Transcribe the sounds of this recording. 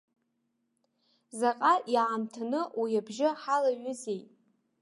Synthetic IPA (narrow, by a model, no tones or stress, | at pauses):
zaqʼajaʕːmtʰanɨwijabʒɪħalaɥʊzejtʼ